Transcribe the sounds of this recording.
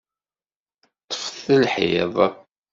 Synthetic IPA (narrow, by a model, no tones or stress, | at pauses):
t̪ˤːə̥fθəlħḭðˤ